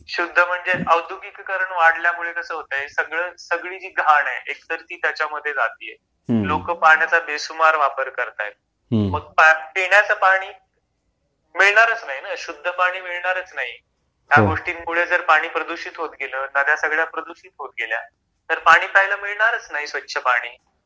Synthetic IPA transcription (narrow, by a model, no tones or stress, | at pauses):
ɕud̪ʱːəm̤əɳd͡zeʔəwd̪ʱuɡikkəɾəɳʋaɽljamuɭekəsəːɦot̪əesəɡɭəsəɡɭiːd͡ʑiːɡʱaɳaeʔek̚səɾt̪iːt̪jat͡ɕaməd̪ʱːjed͡zat̪iːje | lokəpaɳjat͡sabesumaɾʋapəɾkəɾt̪aet̪̚ | məɡ̚papeɳjat͡səpaɽ̃iː | miɭɳaɾət͡snaɦinaɕud̪ʱːəpaɽ̃iːmiɭɳaɾət͡snaɦi | jaɡoʂʈiːnmuɭed͡zəɾpaɽ̃iːpɾəd̪uɕit̪ɦot̪̚ɡeləːnəd̪jasəɡɭjapɾəd̪uɕit̪ɦot̪̚ɡelja | t̪əɾpaɽ̃iːpʰajləmiɭɳaɾət͡snaɦisʋətːɕʰəpaɽ̃iː